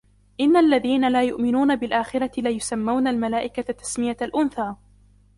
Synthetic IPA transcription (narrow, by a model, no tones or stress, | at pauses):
ʔɪnːalːaðiːnalaːjʊʔmɪnuːnabɪlʔaːxɪɾˤɑt̪ɪlajʊsamːawnalmalaːʔɪkat̪ːḁsmɪjaalʔʊnθaː